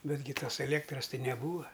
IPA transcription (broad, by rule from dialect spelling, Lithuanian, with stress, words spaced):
ˈbʲæːdʲɡʲɪ ˈtoːs ɛˈlʲeːktrɐs ˈtɐɪ nʲɛˈbuːɐ